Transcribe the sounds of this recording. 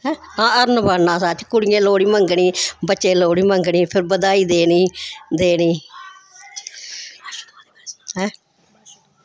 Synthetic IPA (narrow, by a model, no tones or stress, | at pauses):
ɦɛː | ãːəɾnəbənãːsaːt͡ʃʰkʊɽɪjẽːloːɽiːməŋɡɳiːbətːt͡ʃːʃẽːloːɽiːməŋɡɳiːpʰɪɾbəd̪aːiːd̪eːniːd̪eːniː | ɦɛ̃ː